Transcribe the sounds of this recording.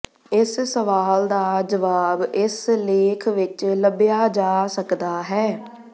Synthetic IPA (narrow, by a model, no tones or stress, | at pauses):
ɪssəʋaːld̪aːd͡ʒəʋaːbɪsleːkʰʋɪt͡ʃləbjaːd͡ʒaːsəkd̪aːɦɛː